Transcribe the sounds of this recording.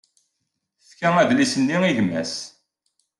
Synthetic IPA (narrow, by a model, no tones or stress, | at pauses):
fkæŋæðlisənːiiʝəmːæ̰s